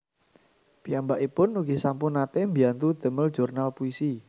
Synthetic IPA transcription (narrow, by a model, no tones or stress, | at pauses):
piambaʔipʊnuɡ̥isampunːat̪embiant̪ud̪̥ə̤məl̥ʒ̥urnalpuisi